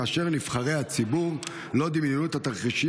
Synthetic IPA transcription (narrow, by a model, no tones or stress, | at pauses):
aːʃe̞ʁnifχaʁe̞jhat͡sibuʁ | lo̞d̪imninut̪hat̪aʁχiʃi